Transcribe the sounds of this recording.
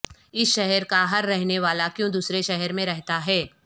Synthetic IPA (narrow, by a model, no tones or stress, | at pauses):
ɪsʃɛɦɛɾkaɦɐɾːɛɦneʋaːlakjõd̪uːsɾeʃɛɦɛɾmẽɾɛɦt̪aɦɛː